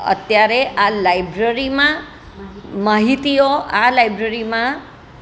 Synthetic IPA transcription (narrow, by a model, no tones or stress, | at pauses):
ə̰t̪jaɾeʔalajbɾəɾimã | maɦit̪ioalajbɾəɾimã